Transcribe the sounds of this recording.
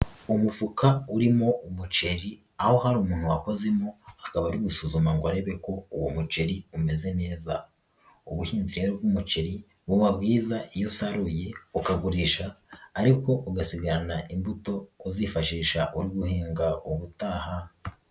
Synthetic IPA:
umufukauɾimo̞umut͡ʃe̞ɾi | aho̞haɾuːmuːn̥huwako̞ze̞mo̞akaβaɾiɡusuzumaŋɡoaɾe̞βe̞ko̞uwomut͡ʃe̞ɾiume̞ze̞ne̞ːza | uβuhiːnziɾeɾobɡumut͡ʃe̞ɾi | βuβabɡiːzajusaɾujeukaɡuɾiʃaːɾiko̞ʔuɡasiɡaɾanaimbuto̞uziːfaʃiːʃaʔuɾiɡuheːŋɡauβutaːha

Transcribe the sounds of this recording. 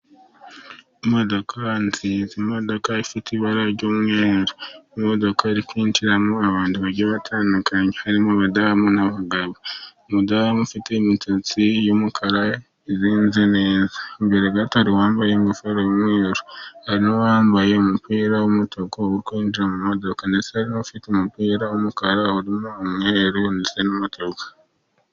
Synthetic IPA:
modo̞kʰanzizimo̞do̞kaifitiβaɾaɾɟoːmŋeːɾoimodo̞kaɾikwiːnt͡ʃiɾamoaβaːntiβaɾɟoβatʰaːndukaɲehaɾimoaβadamunaβaɡaβo | modamufiteimitʰot͡sijomukʰaɾa | eziːnzineːzḁmbeɾeɡataɾiwaːmbajemufeɾoomweːɾo̥haɾinowaːmbajeumupiːɾawomutʰokowuikwiːnd͡ʒiɾamumodo̞kanesehaɾinofitemupiːɾawomukaɾauɾimomweeɾunisenumutokḁ

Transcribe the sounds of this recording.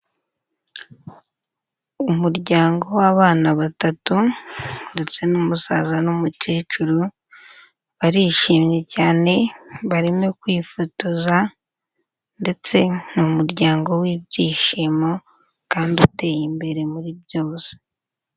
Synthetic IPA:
umuɾɟaːŋɡo̞waβaːnaβatatunde̞t͡se̞nuːmusazanumuceːt͡ʃuɾu | βaɾiːʃiːmɲe̞caːne̞βaɾimekwifutuza | nde̞t͡se̞numuɾɟaːŋɡo̞wibɟiːʃiːmo̞ | kaːndiute̞ːjimbe̞ɾe̞muɾibɟo̞ːse̥

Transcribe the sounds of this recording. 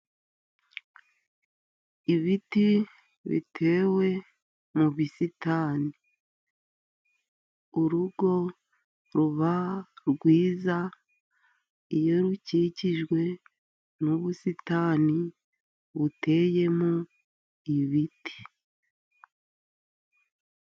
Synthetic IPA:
iβiti | βḭtʰe̞ːwe̞ | muβisitaːnii | uɾuɡo̞ | ɾuβaɾɡwiːza | ijo̞ɾuciːciʒɡwe̞ | nuβusitaːni | βute̞ːje̞mo | iβiti̥

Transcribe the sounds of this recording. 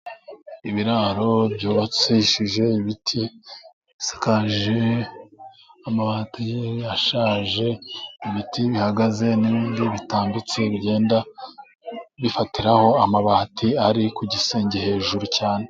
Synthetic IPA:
iβiɾaɾo̞bjuːβat͡siʃiʒe̞iβitʰi | sḁkaʒʒe | amaβatijejaʃaːʒe̞iβitʰiβihaɡaze̞niβiːndiβitaːmbit͡se̞βɟe̞ːnda | βifatiɾaho̞amaβatʰiaɾikuɟiseːɲɟehe̞ːʒuɾucaːne̞

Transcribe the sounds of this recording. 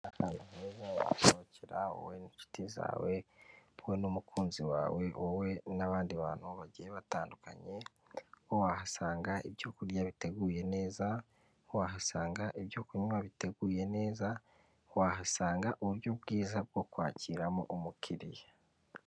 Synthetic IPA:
ahaːnaheːzawa̰ha̰ʃoβoceɾao̰weniʃu̥tiza̰ːwe̞owenumukʰuːnziwa̰ːwe̞owe̞naβaːndiβa̰ːn̥huβaɟijeβataːnduka̰ɲe̞ | wowahasaːŋɡaibjoːkuɾjaβite̞ɡuːje̞ne̞ːza | waɦasaːŋɡaʔiβjokuɲumaβite̞ɡuːje̞ne̞ːza | wahasaːŋɡaʔuβuɾjobɡiːzab̚ɡo̞kwa̰ːciːɾamo̰ʔumukʰiɾija

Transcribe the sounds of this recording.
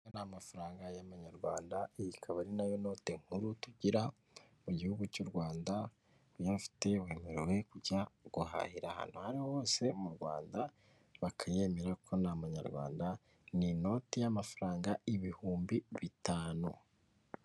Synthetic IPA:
anamafaɾaːŋɡajaβaɲaɾɡwa̰ːndaijikʰaβaɾinajono̞ːteŋ̥huɾutuɟiɾa | muɟihuɡucuɾɡwaːnda | jafi̥te̞we̞ːmeɾewe̞kuɟaɡ̥uha̰hiɾaha̰ːn̥huhaɾihoho̞ːse̞umuɾɡwa̰ːnda | βakʰaje̞me̞ɾakʰo̞naβaɲa̰ɾɡwa̰ːnda | nino̞ːtijamafaɾaːŋɡaiβihuːmbiβitaːnu

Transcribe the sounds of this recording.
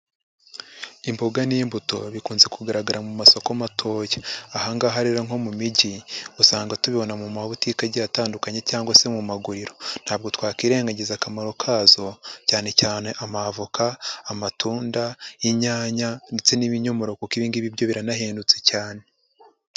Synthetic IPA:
imbo̞ɡaniːmbuto̞̰βikuːnze̞kuɡaɾaɡaɾamumaso̞komatʰo̞ːjaahaŋɡaɦaɾiɾaŋ̥o̞mumiɟiusaːŋɡatuβiβo̞namumaβutikaɟataːndukaɲe̞caːŋɡwase̞mumaɡuɾiɾo̞n̥haːb̚ɡo̞twaːkiːɾe̞ːŋɡaɟezakamaɾo̞kʰaːzo̞caːne̞caːne̞ʔamavukaːmatuːndaiɲaːɲandet͡se̞niβiɲomoɾo̞kukiβiːndiβiβɟo̞βiɾanaɦeːndut͡secaːne̞

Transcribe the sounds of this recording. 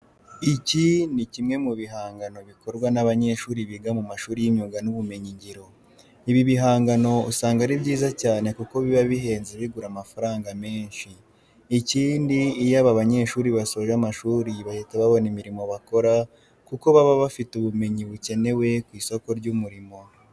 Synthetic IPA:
icinicimŋe̞muβiɦaːŋɡano̞βikʰo̞ɾɡwanaβaɲe̞ːʃuːɾiβiɡamumaʃuːɾijiɲuɡanuβume̞ɲiɲɟiɾo̞ | iβiβiɦaːŋɡano̞usaːŋɡaɾibɟiːzacaːne̞kuko̞βiβaβiɦe̞ːnzeβiɡuɾamafaɾaːŋɡame̞ːɲʃiː | ciːndiːjaβaβaɲe̞ːʃuːɾiβaso̞ːʒamaʃuːɾiβahiteβaβo̞nimiɾimo̞βako̞ɾa | kuko̞βaβaβafituβume̞ɲiβuce̞ne̞we̞kwiːso̞ko̞ɾɟumuɾimo̞

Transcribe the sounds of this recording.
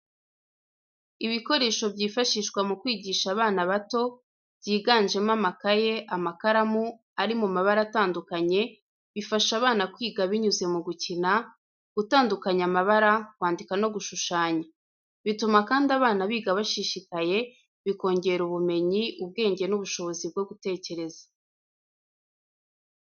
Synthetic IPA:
iβiko̞ɾe̞ːʃo̞bɟiːfaʃiʃkwamukwiːɟiʃaβaːnaβato̞ | b̥jiːɡaːnʒe̞mamakaje̞ʔamakaɾamu | aɾimumaβaɾataːndukaɲe̞ | βifaʃaβaːnakwiːɡaβiɲuze̞muɡucina | ɡ̥utaːndukaɲamaβaɾakwaːndikano̞ɡuʃuʃaːɲa | βitumakaːndiaβaːnaβiːɡaβaʃiʃikaje̞ | βiko̞ːɲɟe̞ɾuβume̞ɲiʔuβ̚ɡe̞ːɲɟe̞nuβuʃo̞βo̞zib̚ɡo̞ɡute̞ːce̞ɾe̞za

